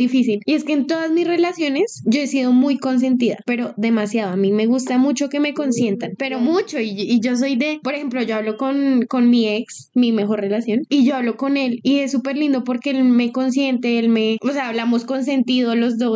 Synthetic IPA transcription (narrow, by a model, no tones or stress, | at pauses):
d̪ifisilie̞ske̞ːnt̪o̞ðazmisre̞lasjo̞ne̞sd͡ʒo̞e̞siðo̞mujko̞ns̬e̞nt̪̬iða̰pe̞ɾo̞ðe̞masjaðoamime̞ɣ̞ust̪amut͡ʃo̞ke̞me̞ko̞nsje̞nt̪anpe̞ɾo̞mut͡ʃo̞iiʝo̞s̬o̞jd̪e̞poɾexe̞mplo̞ʝo̞aβlo̞ko̞nko̞nmie̞ks | mime̞xo̞ɾre̞lasjo̞niʝo̞aβlo̞ko̞ne̞lie̞sːupe̞ɾlĩnd̪opo̞ɾkeelme̞ko̞ns̬je̞nt̪eelme̞oseaːβlamo̞sko̞ns̬e̞nt̪iðolo̞zd̪o